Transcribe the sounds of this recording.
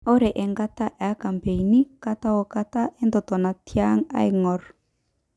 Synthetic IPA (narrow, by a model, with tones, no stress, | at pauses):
ɔ˦ɾɛ˨ʔɛ˨ŋɡa˦t̪a˦ʔa˦ka˨mpe˨i˨ni˦ka˦t̪a˦wɔ˨ka˦t̪a˦ʔɛ˦nd̪ɔ˨t̪ɔ˨na˨tja˦ŋa̰˦jŋɔ˨ɾ